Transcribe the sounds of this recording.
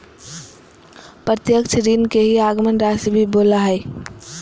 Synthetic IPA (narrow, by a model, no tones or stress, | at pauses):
pɾət̪jəkt͡ʃʰɾiːnkeɦiaːɡmənɾaːsibʱiboːlaɦɛː